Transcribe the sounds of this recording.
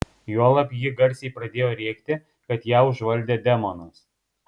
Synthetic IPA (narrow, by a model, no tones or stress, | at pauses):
juɔlˠɐpʲjɪɡɐɾʲsʲɛɪpɾɐd̪ʲeːjoːɾʲɛːkt̪ʲɪ | kɐt̪jæːʊʒʋɐlʲd̪ʲeːd̪ʲɛmɔnʊs